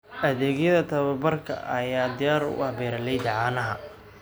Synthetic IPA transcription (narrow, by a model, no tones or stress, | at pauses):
ʔɐðɛːɡjɐðɐt̪ʰɐβɐbɐrkʰɐ̰ʔɐjaːd̪ɪjaːɾʊ̰hɐbɛːɾɐlɛjd̪ɑʕaːnɐɦɐ